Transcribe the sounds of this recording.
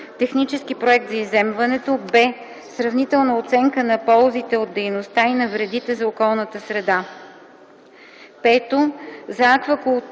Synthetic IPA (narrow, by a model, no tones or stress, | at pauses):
t̪ɛxnit͡ʃɛsk̟ipɾoɛk̚t̪zɐizɛmvɐnɛt̪obɛ | sɾɐvnit̪ɛlˠnəot̪sɛŋkənɐpɔlˠzit̪ɛod̪dːɛjnost̪ainɐvɾɛd̪it̪ɛzɐokɔlˠnət̪əsɾɛd̪a | pɛt̪ozɐakvəkʊlˠ